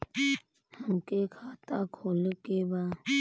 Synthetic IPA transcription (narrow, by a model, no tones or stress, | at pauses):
mũːkekʰaːt̪akʰoːlkeba